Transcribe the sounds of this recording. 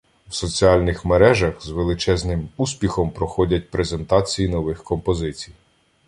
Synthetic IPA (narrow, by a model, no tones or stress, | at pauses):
wsɔt͡sʲiɑlʲnɪxmeɾɛʒɐxzʋelˠɪt͡ʃɛznɪmusʲpʲixɔmpɾɔxɔdʲɐtʲpɾezent̪ɑt͡sʲijinɔʋɪxkɔmpɔzɪt͡sʲij